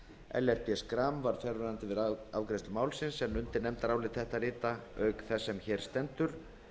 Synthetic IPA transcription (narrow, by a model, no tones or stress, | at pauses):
ɛ̰lɛr̥pɪɛskɾaːmvaɾ̥fjɛɾvɛnant̪ɪvɪðavkɾest̪ʏmaːwlsɪnsɛnʏnt̪ɪnɛmt̪aɾaːwlɪt̪θɛht̪aɾɪːt̪aœːɥkθɛsːɛmçɛːɾ̥st̪ɛnt̪ʏɾ̥